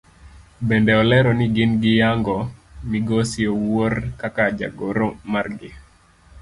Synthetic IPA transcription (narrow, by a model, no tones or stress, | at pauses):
bɛndɛɔlɛɾɔnɪɡɪnɡɪjaŋɡɔmiɡosioworkakad͡ʒa̰ɡoɾomarɡɪ